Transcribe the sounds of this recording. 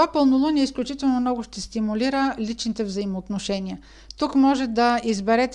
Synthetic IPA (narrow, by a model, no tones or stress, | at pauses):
vapəlˠnolˠonʲiɛisklʲut͡ʃit̪ɛlˠnomnɔɡʊʃt̪ɛst̪imuliɾəlʲit͡ʃnit̪ɛvzɐimoːt̪noʃɛnʲiə | t̪ukmɔʒɛd̪ɐizbɛɾɛt̪